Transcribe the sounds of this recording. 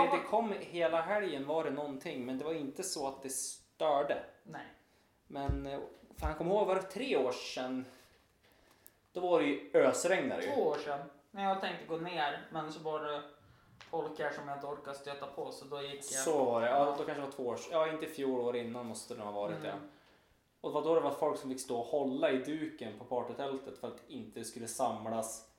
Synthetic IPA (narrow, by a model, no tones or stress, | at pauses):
dɛkʰɔmːheːlaɦɛljənvaɖɛnɔnt̪ʰɪŋːmɛnd̪ɛvaɾɪnt̪əsɔat̪̚d̪ɛst̪œːɖənɛj | mɛnfœɾhankʰɔmːhoːɡvaɾt̪ʰɾeːoːʂɛnː | d̪̥ɔvaɾɛjɵøːsɾɛŋna̰ɾ̰j̰voːoːʂɛnmɛjɑɡ̚t̪ʰɛŋk̚t̪əɡoːneːɾmɛnsɔvaɖɛ | fɔlkæʂɔmjhad̪əɔɾkad̪st̪øːt̪apʰɔsɔd̪ɔjɪkːjasɔvaɖɛɑːd̪ɔkʰanʂədɛvat̪ʰvoːoːʂjɑːɪnt̪əfjuːɭoːɾɪnːanmɔst̪əd̪ɛnhavɑːɾɪt̪̚d̪ɛ̰ | ɔd̪ɛvad̪ɔd̪ɛvat̪fɔlksɔmfɪkːst̪oːɔhɔlːaɪd̪ʉ̟ːkənpʰɔpʰɑːʈət̪ʰɛlt̪ət̪fœɾat̪ɪnt̪əd̪ɛskɵlːəsamlas